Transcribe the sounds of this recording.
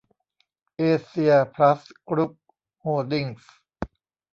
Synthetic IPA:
ʔeː˧si˧ɐpʰɾa˦˥skɾu˦˥p̚ | hoː˧˩ldi˧˩ŋs

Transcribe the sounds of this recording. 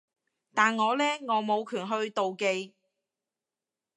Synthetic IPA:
t̪aː˨nŋɔː˨˧lɛː˥ŋɔː˨˧mo˨˧wkʰyː˨˩nɦɵ˧ɥt̪o˨wke˧j

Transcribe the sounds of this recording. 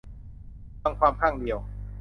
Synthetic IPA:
a˧ŋkʰwaː˧mkʰaː˥˩ŋdi˧əw

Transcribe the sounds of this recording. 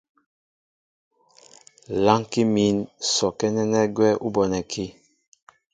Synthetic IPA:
la˦ŋki˦mi˨˦nsɔ˨kɛ˦nɛ˦nɛ˦ɡwɛ˦ʔu˦bɔ˨nɛ˨kʰi˦

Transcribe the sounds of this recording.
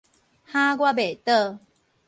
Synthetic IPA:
ha˦ɡwa˦be˨˩t̪ə˥˧˨

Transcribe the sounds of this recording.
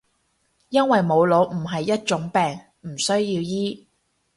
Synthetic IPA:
jɐ˥nwɐ˨jmo˨˧wlo˨˧wm̩˨˩ɦɐ˨jːɐ˥t̚t͡ʃʊ˨˥ŋpɛː˨ŋ | m̩˨˩sɵ˥ɥjiː˧wjiː˥

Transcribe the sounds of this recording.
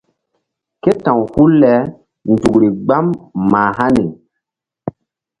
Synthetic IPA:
ke˦tã˨whu˦lːɛ˨˦ | n˨du˨kɾi˨ɡ͡ba˦mːaː˨ɦa˦ni˨

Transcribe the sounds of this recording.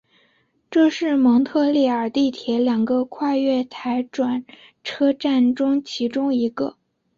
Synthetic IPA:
ʈ͡ʂɤ˥˧ʂɻ̩˥˩mɤ˧˥ŋt̪ʰɤ˥˧li˥˩ə˞˨˩t̪i˥˩t̪ʰjɛ˧˥ljɑ˨˩ŋɡə˧kʰwa˥˧ɥɛ˥˩t̪ʰa˧˥ɪʈ͡ʂwa˨˩n | ʈ͡ʂʰɤ˥ʈ͡ʂa˥˩nʈ͡ʂʊ˥ŋt͡ɕʰi˧˥ʈ͡ʂʊ˥ŋi˧˥ɡə˧

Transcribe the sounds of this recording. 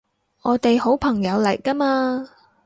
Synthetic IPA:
ʔɔː˨˧t̪e˨jho˨˥wpʰɐ˨˩ŋjɐ˨˧wlɐ˨˩jkɐ˥maː˧

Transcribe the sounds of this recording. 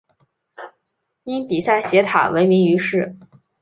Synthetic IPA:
i˥npi˨˩sa˥˩ɕjɛ˧˥t̪ʰa̰˨˩we˧˥ɪmi˧˥ŋy˧˥ʂɻ̩˥˩

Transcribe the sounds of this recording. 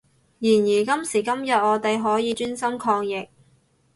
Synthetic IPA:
jiː˨˩njiː˨˩kɐ˥msiː˨˩kɐ˥mjɐ˨t̚ɔː˨˧t̪e˨jɦɔː˨˥jiː˨˧t͡ʃyː˥nsɐ˥mkʰɔː˧ŋjɪ˨k̚

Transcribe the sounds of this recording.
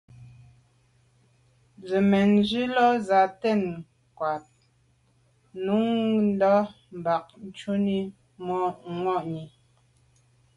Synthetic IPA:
d͡zə˨mɛ˨nd͡ʒi˦lɔ˦za˨tɛ˦˨n | kwa˨t̚ | nu˨˦ŋn̩˦dɔ˦ | m˨ba˨k̚n˨t͡ʃu˦ni˦ | mɔ˦ŋwɔ˦˨ʔɲi˨

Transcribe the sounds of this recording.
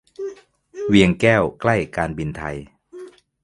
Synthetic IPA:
wi˧əŋkɛː˥˩wkla˥˩jkaː˧nbi˧nt̪ʰa̰˧j

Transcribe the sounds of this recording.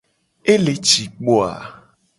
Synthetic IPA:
e˦le˨t͡ʃi˨k͡po˦a̰˨

